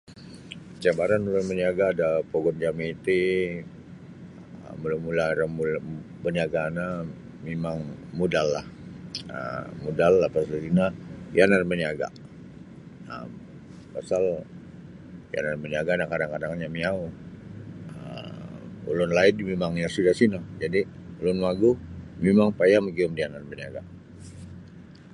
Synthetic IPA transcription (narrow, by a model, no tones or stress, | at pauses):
t͡ʃabaɾanulʊnməɲaɡaːdapoɡɔnd͡ʒamit̪i | mulamulaɾamul | bəɲaɡana | memaŋmudalːahə̰mudalːapasaɾinajanaɾiməɲaɡa̰ | ə̰m | pasal | ja̰narməniaɡanakadaŋkadaŋɲamiau | ə̰mṵlʊnlaɪdimemaŋjasudasinad͡ʒadiulʊnmaɡuhmemaŋpajaməɡiʊmdianarməniaɡa̰